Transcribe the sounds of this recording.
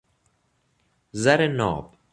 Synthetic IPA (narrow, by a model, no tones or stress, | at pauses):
zɐɾenɔ̰ːb